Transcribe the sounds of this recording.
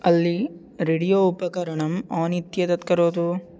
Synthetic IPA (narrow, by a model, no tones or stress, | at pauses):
ɐlːi | ɾeːɽijoːupɐkɐɾɐɳɐmaːnit̪jɐt̪ɐt̪kɐɾoːd̪u